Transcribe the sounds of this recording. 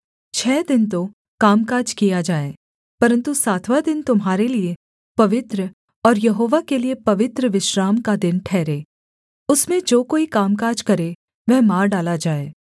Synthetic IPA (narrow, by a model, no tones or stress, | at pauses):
t͡ʃʰɛːd̪ɪnt̪o | kaːmkaːd͡ʒkijad͡ʒaːeː | pɐɾə̃nt̪usaːt̪ʰʋad̪ɪnt̪ʊmɦaːɾelie | pɐʋɪt̪ɾə | ɔːɾjɐɦoːʋakeliepɐʋɪt̪ɾəʋɪʃɾaːmkad̪ɪnʈʰɛːɾeː | ʊsmẽd͡ʒoːkoːikaːmkaːɾd͡ʒkɐɾe | ʋɛɦmaːɾɖaːlad͡ʒaːeː